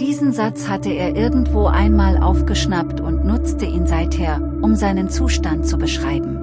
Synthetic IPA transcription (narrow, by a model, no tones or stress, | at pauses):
d̥iːzn̩zat͡shatəeːɐʔɪɐɡŋ̩tv̥oːʔa̰ɪnmaːlʔa̰ʊfɡ̥əʃnaptʰʊntnʊt͡stəʔiːnzaɪtheːɐ | ʔʊmzaɪnənt͡suːʃtant̚t͡subəʃʁ̥aɪbm̩